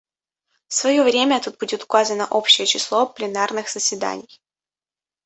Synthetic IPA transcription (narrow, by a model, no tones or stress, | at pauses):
fsvɐjovɾʲemʲəɐt̪ut̪̚budʲɪt̪ʊ̥kazənəʔo̞pɕːɪjət͡ɕɪslˠoplʲɪnarnɨxz̥əsʲvʲɪd̪a̰nʲɪj